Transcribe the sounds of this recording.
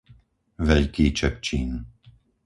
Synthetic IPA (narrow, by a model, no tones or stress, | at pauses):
vɛʎkiːt͡ʃɛp̚t͡ʃiːn